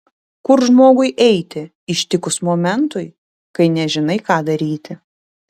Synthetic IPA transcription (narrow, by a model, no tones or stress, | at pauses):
kʊɾʒmoːɡʊɪʔɛɪt̪ʲɪ | ɪʃʲt̪ʲɪkʊsmoːmʲɛnt̪ʊɪ | kɐɪnʲɛʒʲɪnɐɪkɑːd̪ɐɾʲiːt̪ʲɪ